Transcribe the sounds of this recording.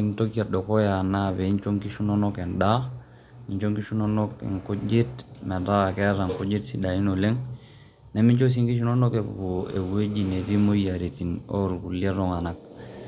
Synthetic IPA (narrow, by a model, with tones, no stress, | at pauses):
i˨ŋto˦ki˦a˨do˨ko˦ja˨na˦βe˨i˦nt͡ʃo˦ŋki˦ʃu˦no˦no˦kɛ˨nda˦ | i˨ɲt͡ʃo˦ŋki˦ʃu˦no˦no˦kːɛ̰˨ŋko˦d͡ʒe˦tmɛ˨da˦˨kɛ˦ɾa˨ŋko˦d͡ʒe˦tsi˦da˨i˦no˨le˦ŋ | nɛ˨˦mi˦ɲt͡ʃo˦s̬i˦ŋki˦ʃ̬u˦no˦no˦ke˨bo˨ḛ˨we˦d͡ʒi˨ne˨ti˦mo˦ja˨ɾi˨ti˨no˦ɾku˨lie˦ɾo˨ŋa˨na˨k̚